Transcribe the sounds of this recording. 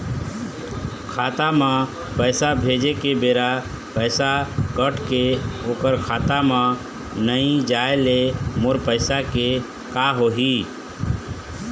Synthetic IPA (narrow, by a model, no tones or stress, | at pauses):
kʰat̪amã | pəɪsabʱed͡ʒekebeːɾa | pəɪsakəʈʰkeoːkəɾkʰat̪amã | nəĩd͡ʒaelemoɾpəɪsake | kaɦoɦi